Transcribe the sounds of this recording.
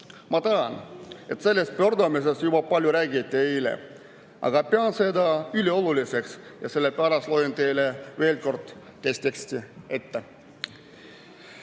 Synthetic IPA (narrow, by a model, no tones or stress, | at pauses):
mɑt̪ɑɑne̞t̪se̞lːe̞st̪̚pø̞rd̪ɑmis̬e̞st̪jubɑpɑlʲjuɾæːɡit̪ʲːˑiejlḛ | ɑ̰ɡ̥ɑpeɑnse̞d̪ɑylʲio̞lulise̞ksjɑ̰se̞lːepæɾɑslojnt̪e̞jleve̞ːlko̞rd̪̥ː | esʲt̪ekst̪iet̪ːe